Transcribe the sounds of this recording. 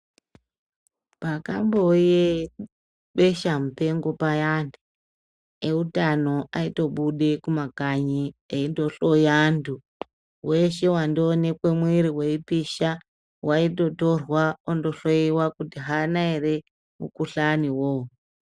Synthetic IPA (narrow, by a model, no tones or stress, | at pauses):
paka̰mboje | ɓeʃamupe̞ŋɡo̞pajande | eutano̞aito̞ɓuɗe̞kumakaɲieindo̞ɬo̞jandu | we̞ʃe̞wandone̞kwemwiɾiwe̞ipiʃa | waito̞to̞rwaondo̞ɬoiwakutiɦanaere̞ | mṵkuɬaniwoo